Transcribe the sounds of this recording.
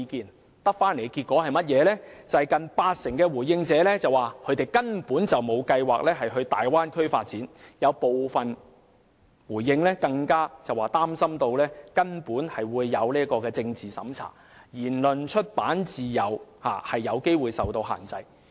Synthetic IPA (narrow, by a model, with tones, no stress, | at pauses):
i˧kiː˨n | t̪ɐ˥k̚faː˥nle˨˩jkiː˧t̚kʷɔː˨˥hɐ˨jmɐ˥t̚jɛː˨˧lɛː˥t͡sɐ˨ɐ˨jkɐ˨npaː˧t̚sɪ˨˩ŋkɛː˧wuː˨˩jjɪ˧ŋt͡sɛː˨˥lɛː˥t͡sɐ˨waː˨kʰɵ˨˧˥t̪e˨jkɐ˥npuː˨˥nt͡sɐ˨wmo˨˧wkɐ˧jwaː˨k̚lɛː˥ɦɐ˨jɦɵ˧ɥt̪aː˨jwaː˥nkʰɵ˥ɥfa̰ː˧t̚t͡siː˨˥njɐ˨˧wpo˨wfɐ˨n | wuː˨˩jːɪ˧ŋlɛː˥kɐ˧ŋkaː˥t͡sɐ˨waː˨˩t̪aː˥msɐ˥mt̪o˧wlɛː˥kɐ˥npuː˨˥nhɐ˨jwuː˨˧jːɐ˨˧wliː˥kɔː˧kɛː˧t͡sɪ˧ŋt͡siː˨˩sɐ̰˨˥mt͡sʰa̰ː˨˩ | jiː˨˩nlɵ˨˩nt͡ʃʰɵ˥t̚paː˨˥nt͡siː˨jɐ˨˩wha̰ː˨˩hɐ˨jːɐ˨˧wke˥jwuː˨jsɐ˨wt̪o˧wɦa̰ː˨˩nt͡sɐ˧j